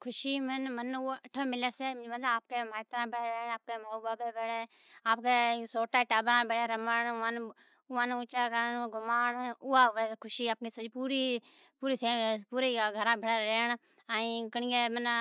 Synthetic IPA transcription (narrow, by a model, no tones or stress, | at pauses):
kʰʊʃiːmənmənəʈʰoːmɪleːseːmd͡ʒʋəlaːp̚keːmaːt̪ɾãːbeɾeːɳaːp̚keːmaobaːbeːbeːɽeː | aːpkeːsoːʈaːiʈaːbɾãːbeɽeːɾəməɳːãːn | ʊʋãːnʊt͡ʃaːkəɾənɡʱʊmaːɳʊaːɦʊʋeːkʰʊʃiːaːp̚keːsəd͡ʒpuːɾiː | puːɾiːt̪ʰeːpuːɾeɡʱəɾãːbʱəɽaːɾeːɳ | aːĩkəɳɪjemən